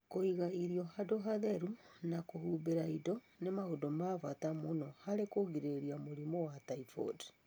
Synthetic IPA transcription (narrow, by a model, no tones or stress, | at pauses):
koiɣaiɾiɔɦadoɦaðɛɾunakohubeɾaidɔ | nemahodɔmavatamonɔhaɾekoɣiɾeɾiamoɾimɔwataifɔ̰d